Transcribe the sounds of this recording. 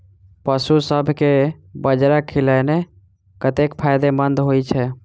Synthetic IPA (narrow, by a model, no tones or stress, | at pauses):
pəsusəbʱkebəd͡ʒɾakʰilɛne | kət̪ekpʰajd̪emənd̪ʱɦojt͡ʃʰɛ